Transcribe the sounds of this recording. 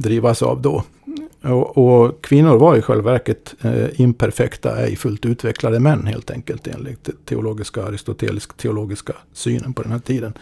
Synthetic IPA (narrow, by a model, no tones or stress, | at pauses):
d̪ɾiːvasɑ̰vd̪ɔ | ɔʔɔkʰvɪnːʊɾvaɾjʊɧɛ̰lvæɾkət̪ɪnpʰæɾfɛkt̪a̰æ̰jfɵlt̪ʉːt̪ʰvɛklad̪əmɛnːhḛːlt̪ʰɛŋkəlt̪ḛːnlɪt̪t̪ʰːɛʊloːɡɪskaaɾɪst̪ʊt̪ʰḛːlɪskt̪ʰɛʊloːɡɪskasyːnənpʰɔd̪ɛnhæːʈʰiːd̪ən